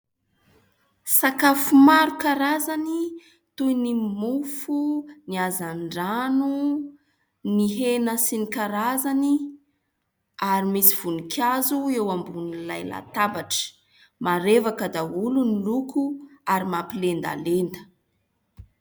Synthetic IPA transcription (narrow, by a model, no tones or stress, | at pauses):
sakafumaɾukaɾazani | t̪ujnimufuniazaɳɖ͡ʐanu | niɦenəsinikaɾazani | aɾimisiv̥unikʲʰazuewambunilajla̰t̪avaʈ͡ʂə̥ | maɾevakəd̪aulunilukuaɾimapilend̪a̰lend̪ə̥